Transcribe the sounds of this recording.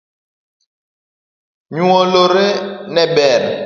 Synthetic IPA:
ɲuɔloɾenɛɓɛn

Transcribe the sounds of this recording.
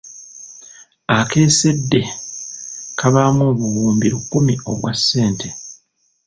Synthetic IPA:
ake̞ːse̞dːe̞ | kʰaβamoβuwuːmbiɾukːumio̞̰βwasːe̞ːnte̞

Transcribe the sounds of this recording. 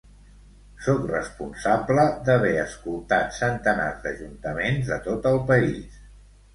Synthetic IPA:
sokrə̰spunsabləd̪əβ̞ɛəskulˠt̪at̪sənt̪əna̰zd̪əʒunt̪əmenzðət̪ot̪əlˠpəis

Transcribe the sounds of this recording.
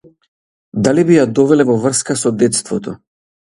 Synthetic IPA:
d̪alibijad̪ɔvɛlɛvɔvr̩skasɔd̪ɛt̪st̪vɔt̪ɔ

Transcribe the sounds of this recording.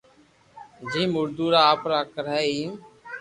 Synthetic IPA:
d͡ʒiːmʊɾd̪uːɾaːpɾaːkəɾaɛːiː

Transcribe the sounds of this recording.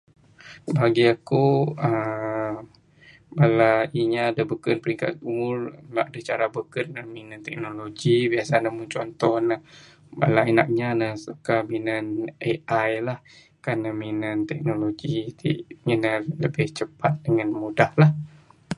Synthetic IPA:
baɡiakuə | balaiɲaːdabəkənpəɾiŋka̰t̪̚umʊrlaʔadət͡ʃaɾabəkənəminant̪ɛk̚noloɡibiasanamʊnt͡ʃɔnt̪ɔhnə | ba̰lainak̚ɲanəsukaminaneʔajlah | kanəminant̪ɛk̚noloɡit̪ḭminaləbɪht͡ʃəpat̪̚dəŋanmudahlah

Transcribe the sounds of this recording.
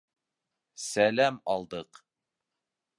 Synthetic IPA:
sælæmɑlˠd̪ɤq

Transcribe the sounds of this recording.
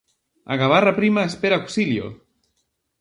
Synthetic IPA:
a̰ɣaβ̞arapɾimaespeɾaoksiljo̰

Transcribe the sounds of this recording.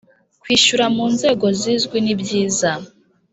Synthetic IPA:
kwiːʃuɾamuːnze̞ːɡo̞zizɡwinibɟiːza

